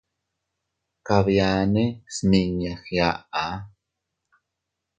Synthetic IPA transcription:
kaβjaːnesniɲaxjaa

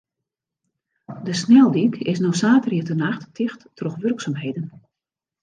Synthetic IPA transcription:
dəsnɛlˠdikɪsnowsaːtəriətənaxtːʰɪxtːroxʋɵrksaːmɦejdən

